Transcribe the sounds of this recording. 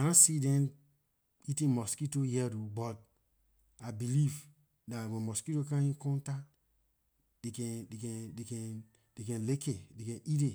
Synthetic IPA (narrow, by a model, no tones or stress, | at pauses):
aãsidɛ̃n | itĩnmɔskitojɛdobɔt̚ | abiliv | datwɛ̃mɔskitokãĩnkɔ̃nta | dekɛ̃dekɛ̃dekɛ̃ | dekɛ̃nlekedekɛ̃nʔide